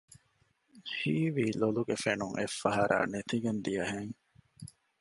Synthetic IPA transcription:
hiːʋiːloluɡefenuŋʔefːɐɦɐɾʔa̰ːnet̪iɡend̪ijɐɦeŋ

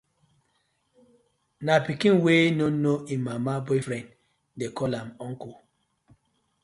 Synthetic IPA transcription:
napikĩnwenonoimːamabɔjfɾɛ̃nd | dekɔlamɔ̃ŋ̩ku

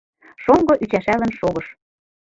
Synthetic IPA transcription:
ʃoŋɡɤ̆ʔyt͡ɕæʃælə̆nʃoɣɤ̆ʃ

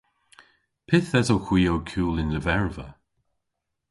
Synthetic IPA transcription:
pʰɪθɛtowkw̥iːowkʰuːlɪnləvɛɹvə̰

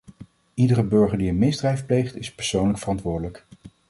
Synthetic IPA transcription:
idərəbɵɹχəɹdiənmɪzdrɛjfplejχtɪspɛɹsownləkfərɑntʋʊːɹdələk

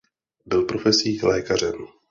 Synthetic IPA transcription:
bɪlpɾo̞fɛsiːxlɛːkar̝ɛm

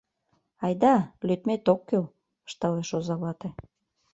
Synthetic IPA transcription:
ɑjd̪ɑlyt̪met̪okːøl | ə̥ʃt̪ɑleʃozɑβɑt̪e

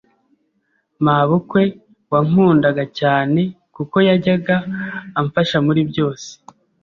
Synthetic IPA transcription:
maβukwe̞ | waŋuːndaɡacaːne̞ | kuko̞jaɟaɡaːɱfaʃamuɾibɟo̞ːse̥

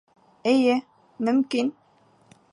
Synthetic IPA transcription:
ɘ̆jɘ | mɵ̆mkin

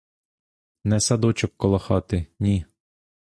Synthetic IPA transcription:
nɛsɐd̪ɔt͡ʃɔkːɔlˠɐxɑt̪ɪnʲi

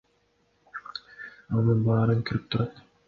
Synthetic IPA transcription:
onɯnbɑːɾɯŋkʰyɾyp̚t̪ʰuɾɑt̪

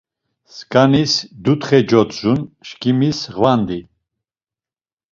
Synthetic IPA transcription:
skʼanisd̪ut̪χɛd͡ʒɔt̪zunʃkʰʼimisʁvand̪i

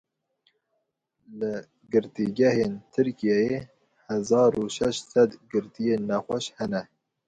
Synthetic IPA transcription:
lɪ | ɡɨɾt̪iɡɛheːnt̪ʰɨɾkijɛje | hɛzɑːɾuʃɛʃt̪sɛd̪ɡɨɾt̪ijeːnːɛxʷɛʃhɛnɛ

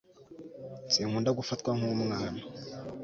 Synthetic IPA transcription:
t͡siŋuːndaɡufatkwaŋumuŋaːna

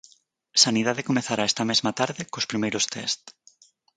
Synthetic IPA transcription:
saniðaðekomeθaɾaɛst̪ɐmezmat̪aɾðɪkospɾimejɾost̪ʰɛ̰st̪

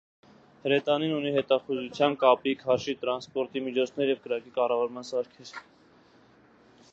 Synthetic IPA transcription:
həɾɛt̪ɑninuniɦɛt̪ɑχuzut͡sʰjɑnkɑpikʰhɑɾʃit̪əɾɑnspɔɾt̪imit͡ʃʰɔt͡sʰnɛɾjɛvkəɾɑkikɑrɑvɑɾmɑnsɑɾkʰɛɾ

